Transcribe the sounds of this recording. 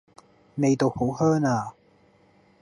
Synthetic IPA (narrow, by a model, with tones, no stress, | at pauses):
ne˨˧jt̪o˨who˨˥whœː˥ŋaː˧